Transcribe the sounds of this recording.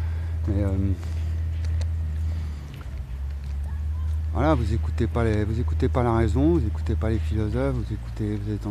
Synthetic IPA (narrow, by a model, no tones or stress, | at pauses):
mɛøm | vwa̰lavuzekut̪epalevuzekut̪epalaʁɛzɔ̃vuzeku̥t̪epalefilɔzɔfvuzeku̥t̪evuzaet̪ɑ̃